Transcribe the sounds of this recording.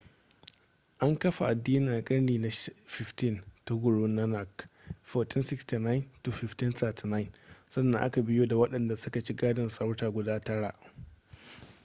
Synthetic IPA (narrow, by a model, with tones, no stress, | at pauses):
ʔa˦ŋkɐ˦ɸa˨ʔa˨dːiː˦nɪ˨na˨kʼɐ˦ɽniː˨na˨˦ɸɪ˨ɸtɪ˦nta˦ɡʷʊ˨ɽoː˦nɐ˦na˨kfoː˨tʰɪ˦nsɪ˦ksti˨na˦ɪ˨˦ntu˨ɸɪ˨ftɪ˦nθɐː˨tʰi˨na˦jnsɐ˦nːa˨ʔa̰˦ka˨bɪ˦joː˦da˨wɐ˦ɗɐ˨nda˨sʊ˦ka˨t͡ʃi˦ɡaː˦dɐ˨nsɐ˦wtaː˨ɡʷʊ˨daː˦tɐ˦ɽa˨ʔ